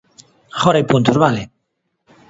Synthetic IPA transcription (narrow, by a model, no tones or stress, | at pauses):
χoɾajpunt̪ozβale